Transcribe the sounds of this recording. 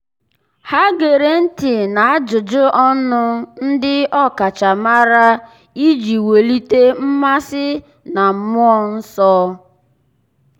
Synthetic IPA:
ha˦ɡe˨ɾe˨n̩˦tɪ˨na˨a˦d͡ʒʊ˨d͡ʒʊ˦ʔɔ˦nʊ˦n̩˦dɪ˦ɔ˦ka˨t͡ʃa˨ma˦ɾa˦ | i˦d͡ʒi˨we˨li˦te˦m̩˦ma˦sɪ˦ | na˨m̩˦mʊ˦ɔ˦n̩˦sɔː˦

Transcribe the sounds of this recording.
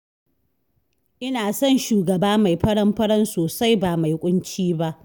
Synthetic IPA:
ʔɪ˦naː˨sɔ˦˨nʃuː˨ɡɐ˨baː˦ma˨jɸɐ˦ɽɐ˦mɸɐ˦ɽɐ˦nsoː˨sa˦jbaː˨ma˨jkʷʼʊ˦nt͡ʃiː˦ba˦ʔ

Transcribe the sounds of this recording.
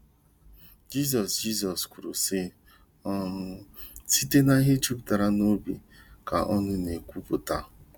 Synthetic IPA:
d͡ʒi˦z̬ɔ˨sd͡ʒi˦˨z̬ɔ˨skʷu˨ɾo˨se˦ | ɔ˦si˦te˦na˦ɦe˦t͡ʃu˦pta˨ɾa˦no˦bḛ˨ka̰˨ʔɔ˦nʊ˦ne˨kʷu˦pʊ˨ta˨

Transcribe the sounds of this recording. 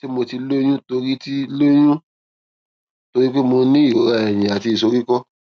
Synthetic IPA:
ti˦mo˧ti˧lo˦j̃ũ˦to˧ɾi˦ti˦lo˦j̃ũ˦ | to˧ɾi˦k͡pe˦mo˧nĩ˦i˦˨o˨˦ɾa˧˨ɛ˨j̃ĩ˨a˨ti˧i˨so˧ɾi˦kɔ˦

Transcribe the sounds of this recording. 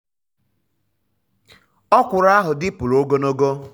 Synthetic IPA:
ɔ˦kʷʊ˨ɾa˦ɦʊ˨dɪ˦pʊ˨lo˦ɡo˦no˦ɡo˦

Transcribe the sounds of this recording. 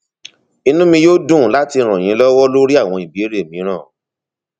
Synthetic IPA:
i˧nũ˦mĩ˧joː˦dũ˦˨la˦ti˧ɾ̃ã˨j̃ĩ˨˦lɔ˦wɔ˦lo˦ɾi˦a˦˨w̃ɔ̃˧i˨bi˨e˦ɾe˦˨mĩ˨˦ɾ̃ãː˦˨

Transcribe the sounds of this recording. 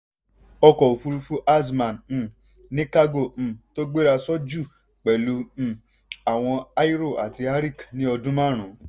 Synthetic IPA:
ɔ˧kɔ˨o˨fu˧ɾu˧fu˦ʔa˦smã˨n̩˧˨ | nĩ˦ka˦ɡõ˦˨to˦ɡ͡be˦ɾa˧sɔ˦d͡ʒu˦˨ | k͡pɛ˨lũ˨˧˨ | a˨w̃ɔ̃˧a˦i˦ɾo˦˨ʔa̰˨ti˧a˦ɾi˦˨knĩ˦ɔ˧dũ˦mã˦˨ɾ̃ũ˨˦

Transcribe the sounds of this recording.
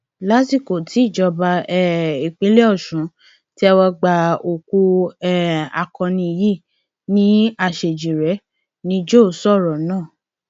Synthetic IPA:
la˦ti˦˨ko˨tʰi˨˦i˦˨d͡ʒɔ˧ba˧ɛ˨i˨k͡pe˨˦le˦ɔ˦˨ʃũ˨˦ | ti˦ɛ˧wɔ˧ɡ͡ba˧o˨ku˧ɛ˦a̰˨kɔ̃˧nĩ˧ji˦˨ | nĩ˦a˦˨ʃe˨d͡ʒi˨ɾɛ˨˦ | nĩ˦d͡ʒo˦˨sɔ˦˨ɾɔ˨nãː˦˨

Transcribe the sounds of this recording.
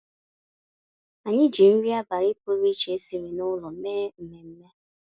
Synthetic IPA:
a˨ɲɪ˦d͡ʒi˨n̩˦ɾi˦a˦ba˨ɾi˦po˦ɾi˦t͡ʃe˨e˦si˨we˨nʊ˦lɔ˨m̩˦me˦m̩˨me˨m̩˦me˦

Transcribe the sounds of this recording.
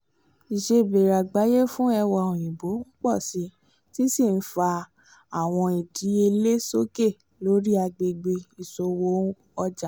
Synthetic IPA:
i˨ʃe˧˨be˨ɾa˨ɡ͡ba˨˦je˦fũ˦ɛ˧wɔ˧˨õ˨j̃ĩ˨bo˨˦n̩˦k͡pɔ˦˨si˨˦ | ti˦si˦˨n̩˦fa˧ | a˦˨w̃ɔ̃˧i˨di˨˦e˧le˦so˦ke˦˨ | lo˨˦ɾi˦a˧ɡ͡be˧ɡ͡be˧i˨so˧wo˦ | ɔ˧d͡ʒa˨

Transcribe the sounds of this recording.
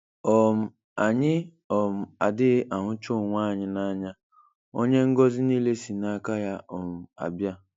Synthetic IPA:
ɔ˨m̩˨ | a˨ɲɪ˦ | ɔ˨m̩˨a˨dɪ˦ɣʔa˨ɦʊ˦t͡ʃo˦˨ŋʷaː˦˨ɲɪ˦na˦ɲa˦ | o˦ɲe˦ŋ̩˦ɡɔ˦zɪ˦ni˦le˦si˨na˦ka˦ja˦ʔɔ˨m̩˨a̰˨bja˦

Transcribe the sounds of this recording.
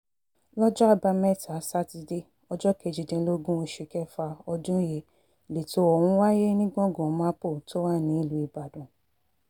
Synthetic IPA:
lɔ˦d͡ʒɔ˦a˧ba˧mɛ˦ta˨˦sa˦ti˧de˦ | ɔ˧d͡ʒɔ˦kɛ˧˨d͡ʒi˨dẽ˧˦lo˦ɡũ˦o˧ʃe˧˨kɛ˦fa˧ɔ˧d͡ʒũ˦je˧˨ | le˨to˨˦ɔ˨wũ˨˦wa˦je˦nĩ˦ɡɔ̃˦˨ɡɔ̃˨˦mã˦po˦˨to˦wa˦˨nĩ˨˦i˦˨lu˨˦i˨ba˨dũ˨

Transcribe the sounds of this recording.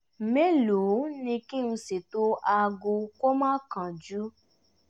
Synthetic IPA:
me˦lu˨˦nĩ˧kĩ˦ñ̩˧se˨to˧a˧ɡo˧ko˦mãː˦kã˨d͡ʒu˦

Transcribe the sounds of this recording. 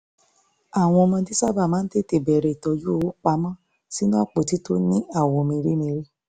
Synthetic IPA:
a˨w̃ɔ̃˧mã˧di˦sa˦ba˦˨mãː˦n̩˦te˦˨te˨bɛ˨ɾɛ˧˨i˨tɔ˧ju˦o˧wo˦k͡pa˧˦mɔ̃˦ | si˨˦nũ˦a˦˨k͡po˨ti˨˦to˦nĩ˦a˦˨w̃ɔ̃˧mĩ˧ɾi˦mĩ˧ɾe˦

